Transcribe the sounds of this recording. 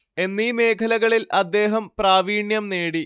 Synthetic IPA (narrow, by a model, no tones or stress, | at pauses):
e̞nːiːme̞ːkʰɐlɐɣɐɭilɐd̪ːe̞ːɦɐmpraːʋiːɳjɐmneːɽi